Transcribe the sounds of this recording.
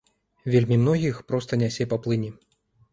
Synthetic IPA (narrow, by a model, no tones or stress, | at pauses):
vʲelʲmʲimnɔɣʲixpɾɔst̪ɐnʲasʲɛpaplˠɨnʲi